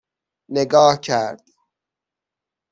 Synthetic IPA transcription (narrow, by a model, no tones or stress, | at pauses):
neɡɒːhcʰæɾd̪̥